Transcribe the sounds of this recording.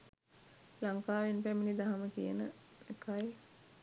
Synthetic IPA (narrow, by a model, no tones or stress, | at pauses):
laŋkaːʋenpæminid̪aɦaməkḭjənəekaj